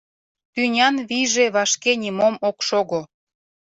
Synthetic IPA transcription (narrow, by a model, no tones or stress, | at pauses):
t̪ynʲɑnβijʒeβɑʃkenʲimomokʃoɣo